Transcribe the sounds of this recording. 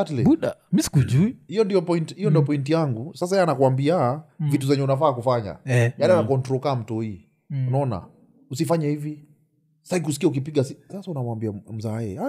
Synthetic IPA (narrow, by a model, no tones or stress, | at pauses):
atliuɗamisi̥kuʄuihijɔndiɔpɔintihijɔndiɔpɔintijaŋɡusas̬ajaanakwambiavituzaɲɛunafaːkufaɲa̰janianakɔntɾɔkaːm̩tɔhiː | unaɔna̰ | usifaɲahivi | saiikusi̥kiaukipiɠasisasaunamambiam̩zaɛ̰a